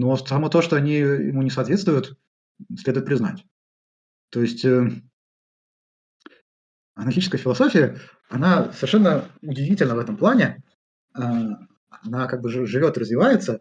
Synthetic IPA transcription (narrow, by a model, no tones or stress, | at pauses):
nosɐmot̪o̞ʂt̪o̞ɐnʲijɪ̰munʲɪsɐːt̪vʲe̞t̪st̪vʊjʊt̪ | sʲlʲe̞d̪ʊjɪt̪pɾʲɪzna̰tʲ | t̪o̞jɪsʲtʲə | ɐnɐɾʲɡʲit͡ɕɪskəjəfʲɪlˠɐsofʲɪjə | ɐnasəvʲɪrʂɛnːəʊdʲɪvʲitʲɪlʲnəvɛt̪əmplˠanʲɪ | a | ɐnakaɡ̚bɨʐɨʐɨvʲo̞t̪ɨɾəzvʲɪvajɪt̪sə